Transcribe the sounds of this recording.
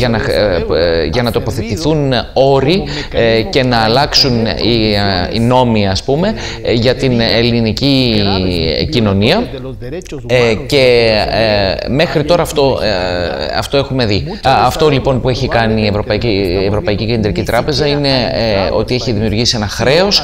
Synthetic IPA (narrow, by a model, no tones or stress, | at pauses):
ʝɐnɐ | ʝɐnɐt̪o̞po̞θe̞t̪iθuno̞ɾi | ce̞nɐːlɐksuniḭno̞miɐspume̞ | ʝɐt̪inelinici | cino̞niɐ | ce̞ | me̞xɾit̪o̞ɾɐːft̪o̞ | ɐ̰ft̪o̞e̞xume̞ði | ɐft̪o̞lipo̞npue̞çikɐniːe̞vɾo̞pɐicievɾo̞pɐicice̞nd̪ɾicit̪ɾɐpe̞zɐine̞o̞̰t̪ieçiðimiuɾʝisie̞nɐxɾe̞o̞s